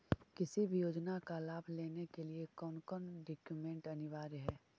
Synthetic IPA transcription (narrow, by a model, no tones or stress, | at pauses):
kɪsibʱijoːd͡ʒnakalaːbʱleːnekeliekɔːnkɔnɖɪːkjumẽːɳʈɐnɪʋaːɾɦɛː